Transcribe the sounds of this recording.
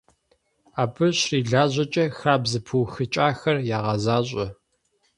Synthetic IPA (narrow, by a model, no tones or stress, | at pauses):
aːbɨɕriːɮaːʑʷʼɐt͡ʃʼɐxaːbzɨpʰuwxɨt͡ʃʼaːxɐrjaːʁɐzaːɕʼɐ